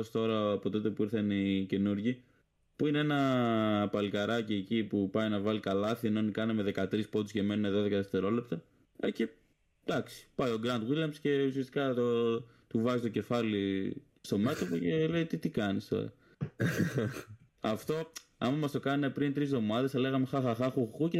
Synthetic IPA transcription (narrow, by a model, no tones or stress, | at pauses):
st̪o̞ɾɐːpo̞t̪ot̪e̞puiɾθɐnice̞nuɾʝi | puineenɐpɐlikɐɾɐciecipupɐjnɐvɐlikɐlɐθienonikɐneme̞ðe̞kɐt̪ɾispo̞t̪usce̞me̞nune̞ðo̞ðe̞kɐθeft̪e̞ɾo̞le̞p̚t̪ɐ | ece̞ | d̪ɐksi̥pɐjo̞ɡɾɐnd̪ɣiljɐmsce̞usiɐst̪i̥kɐt̪o | t̪uvɐzit̪o̞ce̞fɐli | st̪o̞me̞t̪o̞pocele̞jt̪it̪ikɐnist̪o̞̰ɾɐ̰ | ɐft̪o̞ɐmɐmɐst̪o̞kɐnepɾint̪ɾizðo̞mɐðe̞sɐle̞ɣɐme̞xɐxɐxɐxuxuce